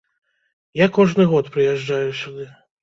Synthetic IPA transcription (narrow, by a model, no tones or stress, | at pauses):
jakɔʐnɨɣɔt̪pɾɨjɛʐd͡ʐajusʲud̪ɨ